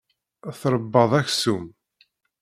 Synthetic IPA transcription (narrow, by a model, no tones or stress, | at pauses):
θɾˤəbːɑðˤæçsum